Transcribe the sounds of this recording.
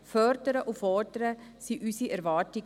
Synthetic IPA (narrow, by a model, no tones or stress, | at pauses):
fœɾdəɾəʔufœːdəɾəsiʔysiʔɛɾvɑːti